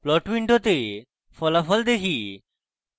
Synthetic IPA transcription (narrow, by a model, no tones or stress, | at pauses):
plɔʈwiɳʈot̪e | fɔlafɔld̪ekʰi